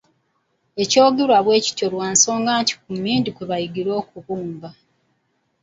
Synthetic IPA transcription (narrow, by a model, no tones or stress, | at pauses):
e̞co̞ːɡeɾwaβwe̞ːci̥tolwaːnso̞ːŋɡaːɲci̥kumːiːndikweβajiɡiɾo̞ːkuβuːmba